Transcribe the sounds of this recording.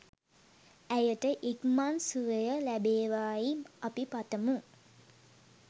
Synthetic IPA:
æjəʈəʔikmansuʋəjəlæbeːʋaːjiapipat̪əmu

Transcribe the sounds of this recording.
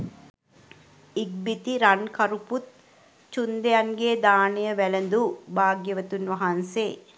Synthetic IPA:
iɡ̚bit̪iɾankɐɾuput̪̚ | t͡ʃund̪ejanɡeːd̪aːnijəʋælənd̪ubaːɡjəʋət̪unʋɐɦɐnseː

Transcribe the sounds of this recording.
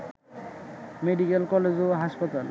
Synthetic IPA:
meɖikɛlkɔlezoɦaspat̪al

